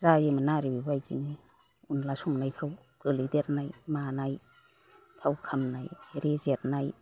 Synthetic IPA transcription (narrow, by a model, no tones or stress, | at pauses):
zajemanaɾibibajzḭni | unlasuŋnajpʰɾaw | ɡ̥ɯlideɾnajmanaj | tʰawkʰamnajɾezeɾnaj